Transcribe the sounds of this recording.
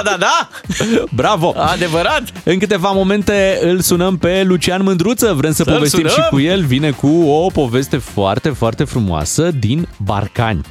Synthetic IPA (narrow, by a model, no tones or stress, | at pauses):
d̪ad̪a | bɾavo̞ad̪evəɾat̪ | ɨŋkɨt̪e̞vamo̞mẽ̞nt̪e̞ɨlsunəmpe̞lut͡ʃianmɨnd̪ɾut̪səvɾemsəpo̞vest̪inʃimkkuje̞lvine̞kuopo̞ve̞st̪e̞foa̰rt̪e̞foart̪e̞fɾumo̰a̰səd̪inba̰rka̰nʲ